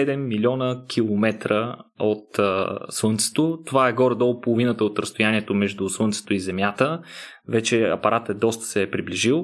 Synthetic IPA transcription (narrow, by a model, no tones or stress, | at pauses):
ɛd̪ɛmːilʲiɔnəkʰilˠomɛt̪ɾəot̪swɤnt̪sɛ̥t̪ot̪ovaɛɡɔɾɛd̪olˠpolˠovinət̪əot̪ɾəst̪ojaniɛt̪omɛʒd̪usˠənt̪sɛ̥t̪oizɛmjat̪əvɛt͡ʃɛɐ̰pɐɾʔat̪ɛd̪ɔst̪ə̥sɛːpɾibliʒilˠ